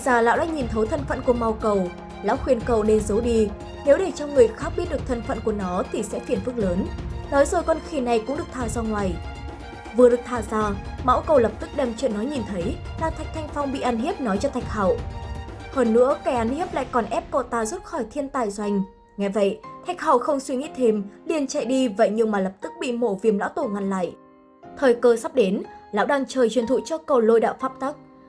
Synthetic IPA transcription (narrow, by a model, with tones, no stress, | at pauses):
zaː˨˩la̰ː˧˨wɗaː˧˥ɲi˨˩nt̪ʰə˨˦wt̪ʰə˧˩nfə̰˧˨nku˧˩əma˧˩wkə˨˩w | la̰˧˥wxwi˨˩ənkə˨˩wne˧nzə˨˦wɗi˧ | ne˨˦wɗe˧˩t͡ɕɔ˧ŋɨ˨˩əjxaː˦˥k̚ɓi˦˥t̚ɗk̚t̪ʰə˧˩nfə̰˧˨nku˧˩ənɔ˨˦t̪ʰi˨˩sɛ̰˧˥fi˧˩ənfk̚ləː˨˦nnɔ˨˦jzoː˨˩jkɔ˧nxi˧˩na˨˩jkʊ̰˧˥ŋ͡mɨ˨˩ək̚t̪ʰaː˨˩zaː˧ŋwaː˨˩j | vɨ˨˩əɗɨ˨˩ək̚t̪ʰaː˨˩zaː˧ma̰˧˥wkə˨˩wlə˨˩p̚t̪ɨ˦˥k̚ɗe˨˩mt͡ɕwḭ˧˨nːɔ˨˦ɲi˨˩nt̪ʰə˨˦jlaː˨˩t̪ʰa˨˩jk̚t̪ʰa˧jŋ̟fa˧wŋ͡mɓḭ˧˨ʔa˧nhi˦˥əp̚nɔ˨˦jt͡ɕɔ˧t̪ʰa˨˩jk̚ha̰ː˧˨w | həː˧nːɨ̰˧˥əkɛ˧˩ʔa˧nhi˦˥əp̚la̰ː˧˨jkɔ˨˩nʔɛ˦˥p̚kə˧˩t̪aː˧˩zu˦˥t̚xɔ˧˩jt̪ʰi˧ənt̪aː˨˩jzwa˧˩jŋ̟ | ŋɛ˨˩və̰˧˨jt̪ʰa˨˩jk̚ha̰˧˩˨wxə˧wŋ͡mswi˧ŋḭ˧˥t̪ʰe˧mli˨˧˩ənt͡ɕa̰˧˨jɗi˧və̰˧˨jɲɨ˧ŋmaː˨˩lə˨˩p̚t̪ɨ˦˥k̚ɓḭ˧˨mo̰˧˩vi˨˩əmla̰˧˥wt̪o˧˩nŋa˧nla̰ː˧˨j | t̪ʰəː˨˩jkəː˧sa˦˥p̚ɗe˨˦nla̰ː˧˥wɗaː˧ŋt͡ɕəː˨˩jt͡ɕwənt̪ʰṵ˧˨t͡ɕɔ˧kə˨˩wlo˧jɗa̰ː˧˨wfaː˦˥p̚t̪a˦˥k̚